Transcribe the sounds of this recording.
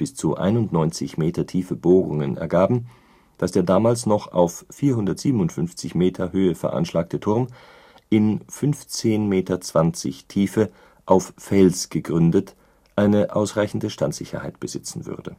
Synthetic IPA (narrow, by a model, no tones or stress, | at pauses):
b̥ɪst͡suʔa̰ɪnʊntnɔʏnt͡sɪçmeːtɐtʰiːfəboːʁʊ̰ŋənʔɛ̰ɐɡaːbm̩ | d̥asd̥eːɐdaːmaːlsnɔχa̰ʊfːiːɐhʊndɐtz̥iːbən̩ʊntfʏnft͡sɪçmeːtʰɐhøːəfɛɐʔa̰nʃlaːk̚tʰətʰʊɐm | ʔɪnfʏnft͡seːnmeːtɐt͡sv̥ant͡sɪ̰çtʰiːfə | ʔaʊffɛlsɡ̥əɡʁʏndət | ʔaɪnəʔaʊsʁ̥aɪçn̩dəʃtantz̥ɪçɐ̰haɪtb̥əzɪt͡sn̩vʏ̰ʁdə̰